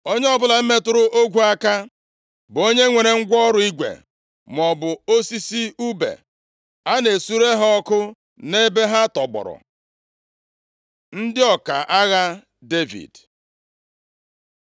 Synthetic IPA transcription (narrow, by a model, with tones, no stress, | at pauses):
o˦ɲe˦ɔ˦bʊ˦la˨m̩˦me˦tʊ˦ɾʊ˦ʔo˦ɡʷu˦a˦ka˦ | bʊ˨o˦ɲe˦ŋʷe˨ɾe˨ŋ̩˦ɡʷɔ˦ɾʊ˦i˦ɡʷḛ˨ | m˨ɔ˨bʊ˨o˦si˦si˦u˦bḛ˨ | a˦ne˨su˦ɾe˦ɦa˦ɔ˦kʊ˦ | ne˦be˦ɦa˦tɔ˨ɡ͡bɔ̰˨ɾɔ̰˨ | n̩˦dɪ˦ɔ˨ka˨ʔa˦ɣa˦ | de˦vḭ˨d